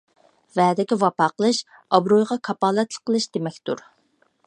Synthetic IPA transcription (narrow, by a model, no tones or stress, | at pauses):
vɛːd̪ɪkʲivɑpɑːqəlˠɨʃ | ɑbɾojʁɑkʰɑpɑːlˠɛt̪lˠəqʰːəlˠɨʃd̪̥emɛkʲt̪ṵɾ